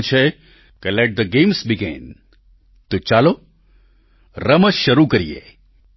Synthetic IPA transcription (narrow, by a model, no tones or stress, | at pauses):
t͡ʃʰe | kəlɛʈ̚d̪əɡẽmsbiɡḛ̃n | t̪ut͡ʃaːlo | ɾəməʃəɾukəɾḭjḛ